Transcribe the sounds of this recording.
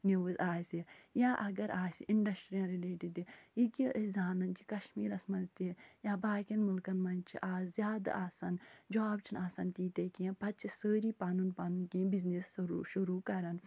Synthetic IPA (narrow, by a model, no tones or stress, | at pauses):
niʋuzaːsijãːʔɐɡɐɾʔaːsḭʔiɳɖɐsʈɾijɐ̃nɾileːʈid̪iiɡiʔəszaːnɐnt͡ʃʰi̥kɐʃmiːɾɐsmɐ̃nzt̪ʲijãːbaːkɐnmulkɐnmɐnt͡ʃʰḭʔaːzzjaːd̪a̰ʔaːsand͡ʒaːbt͡ʃʰinaːsaːnt̪iːt̪ekiẽpɐtt͡ʃʰisəːɾiːpaːnunpaːnunkĩːbiznesɾʃuɾuːkɐɾɐn